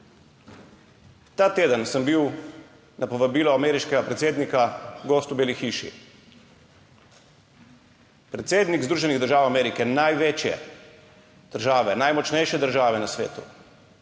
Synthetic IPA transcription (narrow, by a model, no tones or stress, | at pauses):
t̪aːt̪eːd̪ənsəmbiw | napɔʋabiːlɔamɛːɾiʃkɛɡapɾɛt̪seːd̪nikaɡoːst̪ubeːlixiːʃḭ | pɾɛt̪seːd̪niɡzd̪ɾuːʒɛniɣd̪əɾʒaːwamɛːɾikɛnajʋeːt͡ʃjɛ̰ | d̪̥əɾʒaːʋɛnajmɔt͡ʃnɛjʃɛd̪əɾʒaːʋɛnasʋḛːt̪u̥̰